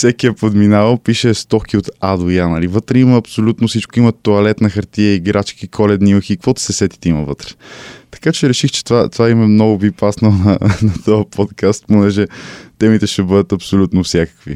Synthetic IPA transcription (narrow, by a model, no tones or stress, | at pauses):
fsɛkiəpod̪minavəmpiʃɛst̪ɔkʰiot̪ad̪ojanəlivɤt̪ɾɛiməːpsolʲut̪nosit͡ʃkoimɐt̪oɐlɛt̪nɐxɐɾt̪iɛiɡɾat͡ʃkikʰɔlɛd̪niuxikvɔt̪sɛsɛt̪i̥t̪ɛimɐvɤt̪ɾɛ̥t̪ɐ̥kat͡ʃɛɾɛʃixt͡ʃɛ̥t̪vat̪ovaimɛmnɔɡʊbipasnonɐnɐt̪ɔjəpɔt̪kʰast̪̚ponɛʒɛt̪ɛmit̪ɛʃɛbɤd̪ət̪ɐpsolʲut̪nofsʲjakə̥kvi